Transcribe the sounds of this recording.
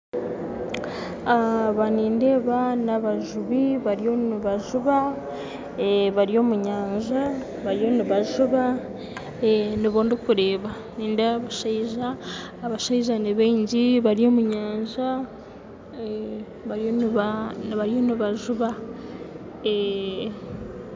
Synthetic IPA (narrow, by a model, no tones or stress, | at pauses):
aβaniːnde̞ːβanaβaʒuβiβaɾijo̞niβaʒuβa | βaɾijo̞ːmuɲaːɲʒa | βaɾijo̞niβaʒuβa | niβoːndikuɾe̞ːβa | niːndeaβaʃaiʒaː | βaʃaiʒaniβeːɲɟiβaɾijo̞ːmuɲaːɲʒa | βaɾjonβaβaɾijo̞niβaʒuβa | e